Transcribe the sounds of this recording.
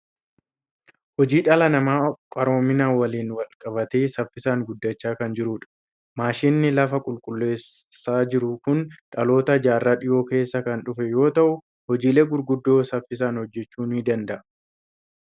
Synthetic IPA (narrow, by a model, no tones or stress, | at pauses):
hɔd͡ʒiːᶑɐlɐnɐmaːkʼɐɾo̞ːmɪnaːwɐliːnwɐlkʼɐβɐt̪eːsɐfːɪsaːŋɡʊd̪ːɐt͡ʃːaːkɐnd͡ʒɪɾuːᶑɐ̥ | maːʃinːɪlɐfɐkʼʊlkʼʊlːe̞ːsː | aːd͡ʒɪɾʊkʊnᶑɐlo̞ːt̪ɐd͡ʒaːrːaːᶑɪjo̞ːke̞ːsːɐkɐnᶑʊfɛjo̞ːt̪ɐʔʊ | hɔd͡ʒiːle̞ːɡʊɾɡʊd̪ːo̞ːsɐfːɪsaːnhɔd͡ʒːɛt͡ʃːuːnhɪd̪ɐnd̪ɐʔɐ